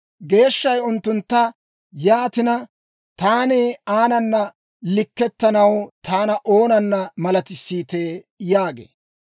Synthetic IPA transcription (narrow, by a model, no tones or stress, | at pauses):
ɡe̞ːʃːɐjʊnt̪ːʊnt̪ːɐ | jaːt̪ɪnɐ | t̪aːneːaːnɐnːɐ | lɪkːɛt̪ːɐnɐwt̪ʰaːnɐʔo̞ːnɐnːɐmɐlɐt̪ɪsːiːt̪eː | jaːɡḛː